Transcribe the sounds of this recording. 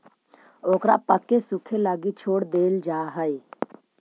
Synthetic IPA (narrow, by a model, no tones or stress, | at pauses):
oːkɾa̰pəkːesʊkʰelaːɡit͡ʃʰoːɽd̪eːld͡ʒaːɦəe